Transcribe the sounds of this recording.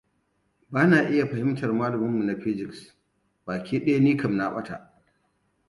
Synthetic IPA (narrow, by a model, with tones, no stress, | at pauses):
baː˦naː˨ʔɪ˦ja˨ɸɐ˨hɪ˦mtɐ˨rmaː˦lʊ˨mɪ˦mːu˨na˨ɸɪ˦d͡ʒɪ˨ks | b̥aː˨kʲiː˦ɗe˦ja˦niː˦kɐ˨mna˦ɓɐ˦ta̰˨ʔ